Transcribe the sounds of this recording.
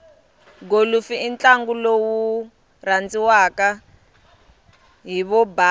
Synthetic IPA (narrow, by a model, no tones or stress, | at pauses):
ɡolufiint͡ɬaŋɡulowu | rand͡ziwaka | ɦiβɔba